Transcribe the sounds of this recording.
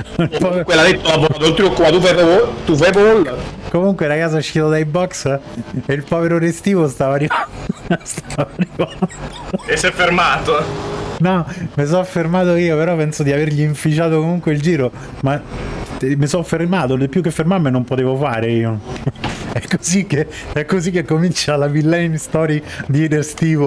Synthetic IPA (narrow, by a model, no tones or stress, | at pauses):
ilpɔukwelad̪et̪ːolabɔt̪anont̪ilokːupat̪ufɛvoot̪ufɛponolːkomuŋkweɾakaːsauʃːit̪od̪ajbɔkseilpɔːveɾoɾest̪iːvost̪aːvariv | st̪ʰaaːvarivat̪oesːɛfːermaːt̪onɔmes̬ɔfːermaːt̪oiːopeɾɔpːɛnsod̪iaverʎiːɱfit͡ʃaːt̪okomuŋkweild͡ʒiːɾo | ma | mesɔfːermaːt̪od̪ipːjukːefːermaɾmenompot̪eːvofaːɾeiːo | ɛkːo̥zikːe | ɛkːozikːekːomint͡ʃalabilːɛnst̪ɔːɾid̪iid̪eɾst̪iːvo